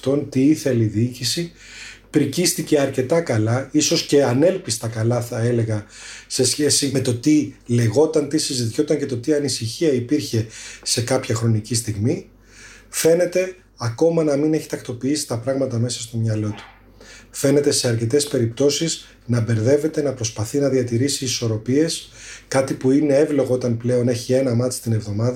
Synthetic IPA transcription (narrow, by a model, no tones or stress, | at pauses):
t̪o̞nt̪iiθe̞liðiicisi | pɾicist̪ice̞ɐɾce̞t̪ɐkɐlɐiso̞sce̞ɐne̞lpist̪ɐkɐlɐθɐe̞le̞ɣɐse̞sçe̞sime̞t̪o̞t̪ile̞ɣo̞t̪ɐnt̪isizit̪iço̞t̪ɐɲce̞t̪o̞t̪iɐnisiçiɐipiɾçe̞se̞kɐpçɐxɾo̞nicist̪iɣmi | fe̞ne̞t̪e̞ | ɐko̞mɐnɐmine̞çit̪ɐkt̪o̞piisi̥t̪ɐpɾɐɣmɐt̪ɐme̞sɐst̪o̞mɲɐlo̞t̪u̥ | fe̞ne̞t̪e̞se̞ɐɾce̞t̪e̞spe̞ɾip̚t̪o̞siz | nɐbe̞ɾðe̞ve̞t̪e̞nɐpɾo̞spɐθinɐðiɐt̪iɾisiːso̞ɾo̞pie̞skɐt̪ipuine̞evlo̞ɣoot̪ɐnple̞o̞ne̞çie̞nɐmɐt̪si̥t̪ine̞vðo̞mɐðɐ